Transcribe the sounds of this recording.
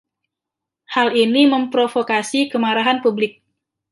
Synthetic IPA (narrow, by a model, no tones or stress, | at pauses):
haliniməmpɾofokasikəmaɾaɦanpublɪk̚